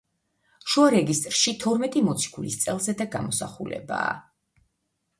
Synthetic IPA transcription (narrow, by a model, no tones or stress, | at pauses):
ʃuaɾɛɡist̪ʼɾʃit̪ʰɔɾmɛt̪ʼimɔt̪sʰi̥kʰulist̪sʼɛlˠzɛd̪aɡa̰mɔsa̰χulɛ̰ba̰ː